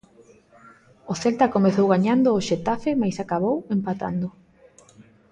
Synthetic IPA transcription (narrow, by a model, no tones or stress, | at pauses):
oθelt̪akomeθowɣaɲand̪oːʃet̪afɪmajsakaβ̞owempat̪a̰nd̪ʊ